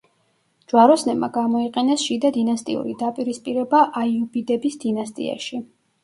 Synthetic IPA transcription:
d͡ʒwaɾɔsnɛbma̰ɡamɔiqʼɛnɛsʃid̪ad̪inast̪ʼḭṵɾḭd̪apʼiɾispʼiɾɛbaʔajubid̪ɛbisd̪inast̪ʼḭa̰ʃi

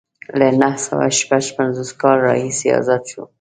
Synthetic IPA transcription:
lanahsawa̰ʃpaʃpanzoskɑlɾɑ̰hiseɑ̰zat̪ʃo

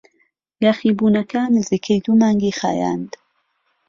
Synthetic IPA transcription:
ɡaxiːbuːnɐkaːnɨziːkʰejd̪umaːŋɡixa̰ːja̰nd̪

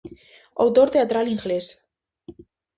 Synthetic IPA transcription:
a̰wt̪oɾt̪eat̪ɾaliŋɡles

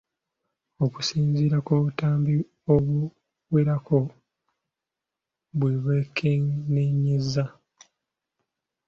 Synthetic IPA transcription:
o̞ku̥siːɲziːɾakoːβutaːmbi | oβu | weɾakʰo̞ | βweβekʰeneɲizːa

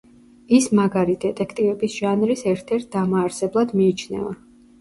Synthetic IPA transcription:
ismaɡaɾid̪ɛt̪ʼɛkʰt̪ʼivɛbisʒ̥anɾisɛɾt̪ʰɛɾt̪̚ʰd̪amaːɾsɛblˠad̪miːt͡ʃʰnɛ̰va̰

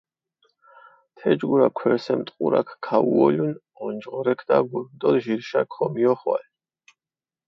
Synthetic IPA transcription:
t̪ʰɛd͡ʒɡuɾakʰwɛɾsɛmt̪ʼqʼṵɾa̰kʰkʰːauɔlun | ɔnd͡ʒʁɔɾɛkʰd̪̥aɡulmd̪ɔlʒiɾʃakʰɔmiɔχwa̰l

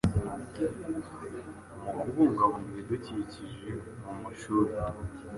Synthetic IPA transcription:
umukuβuŋɡaβumeduciiciʒemumuʃuːɾe

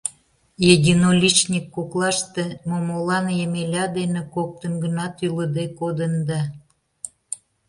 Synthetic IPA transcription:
jedʲinolʲit͡ɕnʲikːoklˠɑʃt̪emomolɑnjemelʲɑd̪enĕkok̚t̪ənɡənɑt̪yləd̪ekod̪ənd̪ɑ

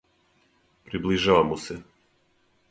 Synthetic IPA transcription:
pɾibliʒaːʋamuse

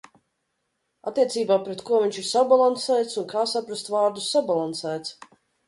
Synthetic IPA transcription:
a̰t̪ːiɛt̪siːbaːpɾɛt̪kuɔviɲʲt͡ʃiɾsabalˠansæːjt̪sunkaːsapɾast̪vaːɾd̪usːabalˠansæːt̪s

